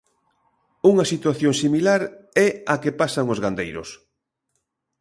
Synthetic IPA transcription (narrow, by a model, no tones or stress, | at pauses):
uŋɐsit̪waθjoŋsimilaɾɛakepasaŋozɣand̪ejɾʊ̰s